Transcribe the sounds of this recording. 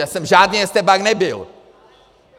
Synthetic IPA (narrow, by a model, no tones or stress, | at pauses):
asɛmʒaːdnijɛst̪ɛbaɡnɛbɪl